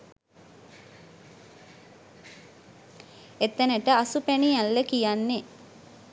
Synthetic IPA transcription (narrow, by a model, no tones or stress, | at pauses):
et̪ːənəʈəasupænijalːəkijanːe